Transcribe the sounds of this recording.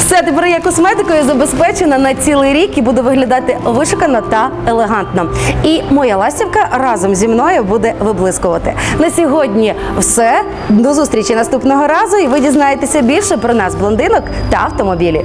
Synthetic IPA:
wsɛt̪epɛɾjɐkɔsmɛd̪ɪkɔjʊzɐbespɛt͡ʃenɐnɐt͡sʲilˠɪjɾʲikibud̪ʊʋɪɦlʲɐd̪ɑt̪ɪʋɪʃʊkɐnɔt̪ɐelˠeɦɑnt̪nɔimɔjalˠɑsʲtʲiwkɐrɑzɔmzʲimnɔjɛbud̪ɛʋɪblˠɪskʊʋɐt̪ɪnɐsʲɔɦɔdʲnʲi | wsɛ | d̪ɔzust̪ɾʲit͡ʃinɐst̪upnɔɦɔɾɑzʊiʋɪdʲiznɑjet̪esʲɐbʲilʲʃɛpɾɔnɑzblˠɔnd̪ɪnɔkt̪ɐɐwt̪ɔmɔbʲilʲḭ

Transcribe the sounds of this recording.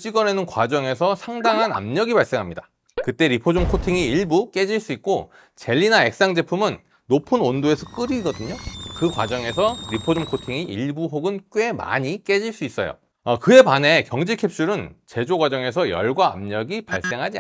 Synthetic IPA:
t͡ɕ͈iɡwʌne̞nɯnkwad͡ʑʌŋe̞sʰʌsʰaŋdaŋɦana̰mɲʌɡibaɭs͈e̞ŋɦamɲidḁ | kɯt͈e̞ɾipʰod͡ʑomkʰotʰiŋiːɭbuk͈e̞d͡ʑiɭs͈uik̚k͈o | t͡ɕe̞ʎːinae̞k̚s͈aŋd͡ʑe̞pʰumɯnː | opʰɯnondoe̞sʰʌk͈ɯɾiːɡʌdɯɲokɯkwa̰d͡ʑʌŋe̞sʰʌɾipʰod͡ʑomkʰotʰiŋiʔiɭbuɦoɡɯnk͈we̞ma̰ɲik͈e̞d͡ʑiɭs͈uis͈ʌ̰jo̰ | ʌkɯe̞pane̞kjʌŋd͡ʑikʰe̞p̚ɕ͈uɾɯnt͡ɕe̞d͡ʑoɡwad͡ʑʌŋe̞s̬ʰʌjʌ̰ɭɡwa̰ːmɲʌɡipaɭs͈e̞ŋɦad͡ʑi

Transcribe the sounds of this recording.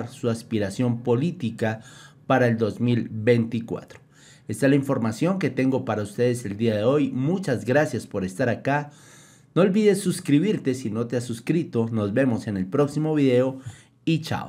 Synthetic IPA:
ɾsuaspiɾasjo̞mpo̞lit̪ikapaɾae̞ld̪o̞zmilβejnt̪ikwa̰t̪ɾo | est̪alaiɱfo̞ɾmasjo̞ŋke̞t̪e̞ŋɡo̞paɾaust̪e̞ðese̞ld̪iaðe̞o̞jmut͡ʃazɡɾasjaspo̞ɾest̪aɾaka | noolβiðe̞sːuskɾiβiɾt̪e̞sino̞t̪e̞asuskɾit̪o̞no̞zβe̞mo̞se̞ne̞lpɾo̞ksimo̞β̞iðe̞o̞ | it͡ʃa̰o

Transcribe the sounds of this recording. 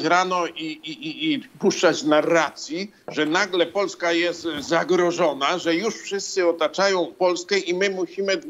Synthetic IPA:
t͡ɕɾanɔʔiiiːpuʂt͡ʂat͡ɕnaɾat̪sʲji | ʐɛnaɡlɛpɔlskajɛst̪zaɡɾɔʐɔnaʐɛjuʂfʂɘst̪sɘɔt̪at͡ʂajɔ̃w̃pɔlskɛʔimɘmuɕimɘ

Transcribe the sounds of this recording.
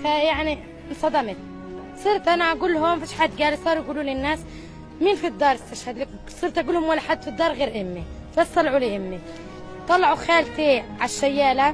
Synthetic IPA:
fajaʕni | nsˤɑd̪ɑmɪt̪ | sˤɨɾt̪ʔanaʔaɡuːlɦʊmfiːʃħad̪ɡaːlisˤɑːɾˤjɡuːluːlɪnːaːs | miːnfid̪ˤːɑːɾˤɪst̪aʃhad̪lak | sˤɨːɾt̪ʔaɡuːlhʊmwalːaħad̪ːfid̪ːɑːɾˤɣeːɾʔɪmːi | bast̪ˤɑlʕulɪʔɪmːi | t̪ˤːɑlːɑʕuxaːlt̪eʕaʃːajːaːla

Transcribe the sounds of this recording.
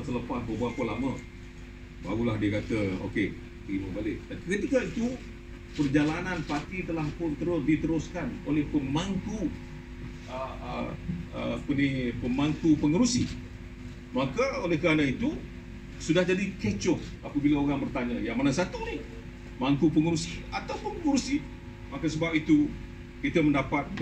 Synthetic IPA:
t̪ələpas̚bəbuapəlamə | ba̰ɣulahdiəkat̪əo̰ke | t̪əɾiməbalɪk̚t̪apikət̪ikait̪u | pərd͡ʒalananpat̪it̪əlahpʊnt̪əɾʊsdit̪əɾʊskano̰lɛhpəmaŋku | ə̰ | ə̰pənipəmaŋkupəŋəɾusi | makaolɛhkəɾanait̪u | sudahd͡ʒadikət͡ʃɔhʔapabilaoɾaŋbərt̪aɲa̰jaŋmanasat̪uni | maŋkupəŋəɾusia̰t̪awpʊnpəŋuɾusi | makasəbap̚it̪u | kit̪aməndapat̪̚

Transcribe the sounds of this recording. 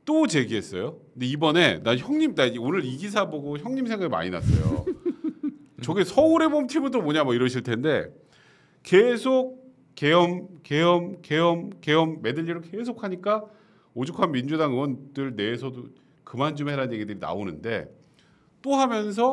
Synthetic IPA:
t͈ot͡ɕe̞ɡiɦe̞s͈ʌ̰jondeibʌne̞naçjʌŋɲimnaonɯɾiɡis̬ʰaboɡoçjʌŋɲimsʰe̞ŋɡaɡima̰ɲina̰s͈ʌ̰jo̰ | t͡ɕʌɡisʰʌuɾe̞bomtʰibudomoɲamʌiɾʌɕʰiɭtʰe̞nde̞ | ke̞sʰok̚ | k͈ːe̞jʌmk͈e̞jʌmke̞jʌmke̞ʌmːe̞dɯʎːiɾoke̞s̬ʰokʰaɲik͈a | od͡ʑukʰanmind͡ʑudaŋɯwʌndɯɭne̞ːsʰʌdo | kɯmand͡ʑumɦeɾaɯnɲje̞ɡidɯɾina̰onɯnde̞̰ | t͈ohamjʌns̬ʰʌ

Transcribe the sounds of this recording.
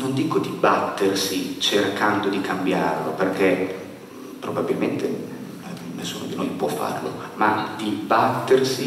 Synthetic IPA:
nond̪iːkod̪ibat̪ːersit͡ʃerkand̪od̪ikambjarloperke | pɾobabilment̪e | nesːuːnod̪inojpwɔfːa̰rlo̰ | mad̪ibat̪ːersi

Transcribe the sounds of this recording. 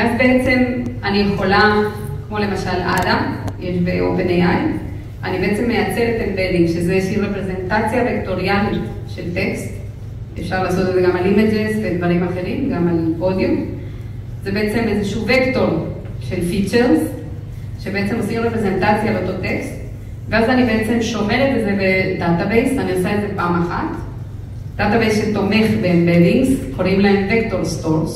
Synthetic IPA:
atbeʔet͡se̞manijeχo̞la | kmo̞le̞maʃalʔa̰dajeʃbeʔo̞̰penejaj | a̰nibeet͡semːe̞jat͡selet̪enbelimʃezejʃiʁepʁezentat͡sjavekto̞ʁjanit | ʃe̞lte̞kst̪ | efʃaʁlaːso̞t̪lezeɡamalimed͡ʒezved̪vaʁimaχe̞ʁimɡamalpo̞d̪jum | zebeet͡se̞mezeʃuvekto̞ʁ | ʃe̞lfit͡ʃeʁz | ʃe̞beet͡se̞mosiχʁepʁeze̞ntat͡sjaleot̪o̞tekst | veazanibe̞et͡se̞mʃo̞meʁet̪vezebedatabejsaniosaezepaːmaχa̰t | d̥atabejsʃelt̪o̞me̞χbembediŋɡzkʰoʁimlae̞mvekto̞ʁstoʁs

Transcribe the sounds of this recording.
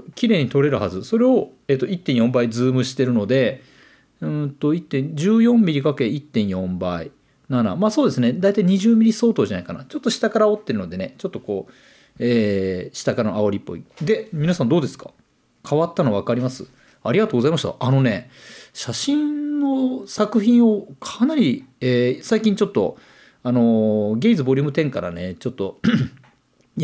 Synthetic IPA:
kʲiɾe̞ːɲ̟it̪o̞ɾe̞ɾɯ̟hazɨso̞ɾe̞o̞e̞ːt̪ːo̞it̪ːẽ̞ɰ̃jõ̞mbaid͡zɨːmɯ̟ɕi̥t̪e̞ɾɯ̟no̞d̪e̞ | ɯ̃t̪o̞it̪ːẽ̞ɲd͡ʑɨːjõ̞mːʲiɾʲikake̞it̪ːẽ̞ɰ̃jõ̞mbai | nana̰maːsoːd̪e̞sɨne̞d̪ait̪aiɲ̟iʑɨːmʲiɾʲiso̞ːt̪oʑanaikana̰t͡ɕo̞t̪ːoɕi̥t̪akaɾaot̪ːe̞ɾɯ̟no̞d̪e̞ne̞t͡ɕo̞t̪ːoko̞ː | eːɕi̥t̪akaɾanoaoɾʲipːo̞̰ḭd̪e̞mʲinasãnd̪o̞ːd̪e̞sɨ̥kḁ̰ | kʰaβat̪ːano̞βakaɾʲimasɨ | aɾʲiɡat̪oːɡzaimaɕit̪a̰ano̞ne̞ɕaɕĩnnːosakɯ̟çĩɰ̃o̞kʰanaɾʲieːsaikʲĩɲ̟t͡ɕo̞t̪ːo̞̰ | ano̞ɡʲe̞izɨbo̞ɾʲɯ̟ːmɯ̟t̪ẽ̞ŋkaɾa̰ne̞t͡ɕo̞t̪ːo̞

